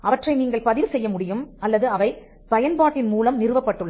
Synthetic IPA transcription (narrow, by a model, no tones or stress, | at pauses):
ʔɐʋɐʈrɐɪniːŋɡɐɭpɐðɪʋsɛjːɐmʊɽɪjɯmɐlːɐðɯɐʋɐɪ | pɐjɐnpaːʈːɪnmuːlɐmnɪɾɯʋɐpːɐʈːɯɭːɐ